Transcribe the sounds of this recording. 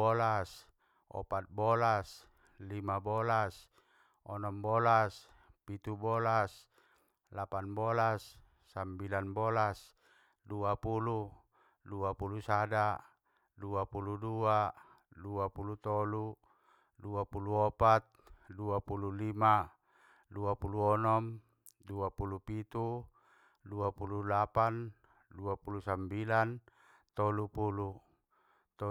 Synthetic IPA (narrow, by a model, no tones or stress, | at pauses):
ɔlas | ɔ̰pat̪̚bɔlas | limabɔlas | ɔnɔmbɔlas | pit̪ubɔlas | lapanbɔlasː | ambilanbɔlas | duapulu | duapulusada | duapuludua | duapulut̪ɔlu | duapuluɔpat̪̚duapululima | duapuluɔnɔm | duapulupit̪u | duapululapan | duapulusambilan | t̪ɔlupulu | t̪